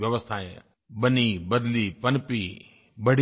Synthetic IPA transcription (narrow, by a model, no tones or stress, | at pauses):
ʋjɐʋəst̪ʰaːe | bɐnibɐd̪lipɐnɪpi | bɐɽ